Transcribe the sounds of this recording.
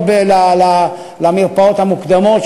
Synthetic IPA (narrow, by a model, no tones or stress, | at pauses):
belala | lamiʁpaot̪hamukd̪amot̪